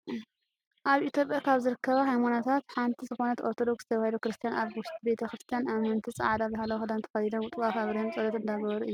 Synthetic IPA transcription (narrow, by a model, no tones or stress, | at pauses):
ʔaβit̪ʰʲjo̞pʼjakʰaβzɨɾɨkːɐβaɦajmanat̪ʰat̪ħant̪ʰizɨxo̞nɐt̪oɾt̪ʰo̞d̪o̞ksz̥ɨt̪ʰɐβahid̪ukɾɨst̪ʰijanaβwʊʃt̪ʰibe̞t̪ʰɐxɾɨst̪ʰijanamɐnt̪ʰisʼa̰ʕd̪abahalɐwxɨd̪ant̪ʰɐ̥xɐzid̪ɐnwʊt̪ʼuwafaβɾɐhɨmt͡sʼɐlɐt̪ɨnd̪aɡɐβɐɾuɨjːu